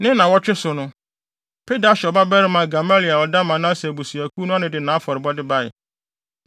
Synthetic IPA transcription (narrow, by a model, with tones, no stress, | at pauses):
nɪ̃˦nã˨wɔ˦t͡ɕᶣɪ˦sʊ˨nʊ̃˦ | pʰe˦da˨˦ɕᶣɛ˨ɔ˨ba˦bɛ˦ɾɪ˦mã˨ɡa˨ma˦li˨a˨wɔ˨da˦mã˨˦nã˦sbo˨su˨æ˨kʰu˦nʊ̃˦a˦nɪ̃˨dɪ˨nãː˨˦fɔ˨ɾɪ˨bɔ˦dɪ˦ba˦ɪ̰˨